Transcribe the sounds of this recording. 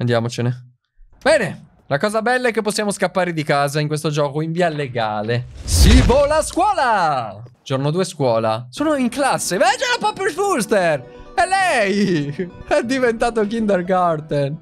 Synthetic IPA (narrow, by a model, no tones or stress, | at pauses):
a̰nd̪jaːmot͡ʃene | bɛːne | lakɔːzabɛlːaɛkːepːosːjaːmoskapːaːɾed̪ikaːzaiŋkwest̪od͡ʒɔːkoiɱviːaleɡa̰ːlesivolaskwɔːla | d͡ʒornod̪uːeskwɔːla̰soːnoiŋklasːevɛd͡ʒapɔpɾoilfulst̪erɛlɛj | ɛd̪ivent̪aːt̪̬okind̪erɡart̪en